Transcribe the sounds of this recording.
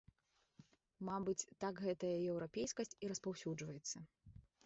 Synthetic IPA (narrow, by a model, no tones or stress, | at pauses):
mabɨt͡sʲt̪ːakɣɛt̪ɐjɐjɛwɾapʲejskɐsʲt͡sʲiɾɐspawsʲud͡ʐvɐjɛt̪sːɐ